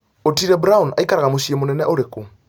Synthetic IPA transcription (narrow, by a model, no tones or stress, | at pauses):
otiɾɛbɾauna̰ikaɾaɣamoʃiemonɛnɛʔoɾeku